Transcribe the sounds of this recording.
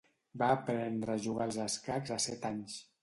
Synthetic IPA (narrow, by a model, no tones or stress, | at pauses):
baːpɾɛnd̪ɾəʒuɣalˠzaskakzasɛt̪aɲs